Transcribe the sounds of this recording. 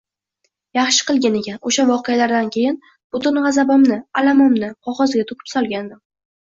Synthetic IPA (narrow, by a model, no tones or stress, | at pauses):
jɑχʃɪ̥qɨlˠɡʲanekʲanoʃavɒqɨjalaɾd̪ankʲʰe̞jɪn | b̥ʊt̪ʊnʁɑzabamnɪalamɒmnɪqʰɒʁɒzɡʲat̪ʰʊkʲʰɪ̥psɒlˠɡʲand̪ɪ